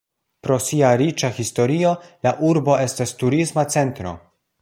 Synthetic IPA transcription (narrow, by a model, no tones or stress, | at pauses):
pɾo̞siaɾit͡ʃahisto̞ɾiolaʔuɾbo̞e̞stastuɾismat͡se̞ntɾo̞̰